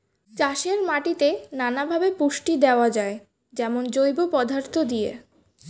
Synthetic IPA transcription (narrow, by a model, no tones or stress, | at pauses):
t͡ɕaʃeɾmaʈit̪enanabʱabepuʃʈid̪eoad͡ʑae | d͡ʑɛmond͡ʑojbopɔd̪ʱaɾt̪ʰod̪ijḛ